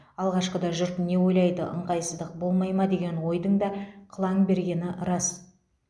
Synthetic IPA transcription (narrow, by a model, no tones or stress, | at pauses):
ɑlˠʁɑʃqəd̪ɑʒʏɾt̪ne̞wo̞jlˠɑjd̪əʔə̰ɴqʰɑjsəzd̪əq̚bo̞lˠmɑjmɑd̪e̞ɡʲe̞nwo̞jd̪əŋd̪ɑqʰəlˠɑŋbe̞ɾɡʲe̞nɪɾɑs